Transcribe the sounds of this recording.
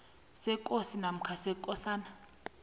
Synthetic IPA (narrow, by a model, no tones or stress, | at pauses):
sɛkʼosinam̩kʰasɛkʼɔsaːna